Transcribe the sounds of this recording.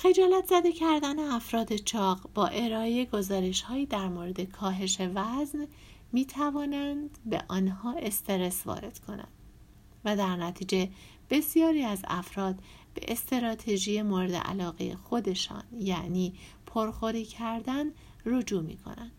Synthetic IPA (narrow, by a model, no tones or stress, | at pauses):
xe̞d͡ʒɒːlæt̪ʰz̥æd̪e̞cʰæɾd̪æne̞æfɾɒːd̪e̞t͡ʃʰɒːɣbɒːʔe̞ɾɒːejeɡo̞zɒːɾe̞ʃhɒːjiːd̪æɾmoːɾe̞d̪e̞kʰɒːɦe̞ʃe̞væzn | miːt̪ʰævɒːnænd̪be̞̰ʔɒːnhɒːe̞st̪ʰe̞ɾe̞svɒ̰ːɾe̞̰d̪̥kʰo̞̰næ̰nd̪̥ | væd̪æɾnæt̪ʰiːd͡ʒe̞ | b̥e̞sjɒːɾiːæzæ̰fɾɒːd̪ | b̥e̞̰ʔest̪ʰeɾɒːt̪ʰe̞ʒiːje̞moɾed̪ḛʔæ̰lɒːɣejḛxo̞d̪e̞ʃɒ̰ːnjæʔniː | pʰoɾxoɾiːcʰæɾd̪æn | rod͡ʒuːmḭːkʰo̰nænd̪̥